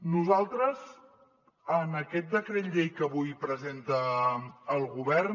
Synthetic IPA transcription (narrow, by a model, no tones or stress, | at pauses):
nuzalˠt̪ɾəz | ənəkɛt̪̚d̪əkɾet̪ʎejkəβujpɾəzent̪əː | lˠɣuβɛɾ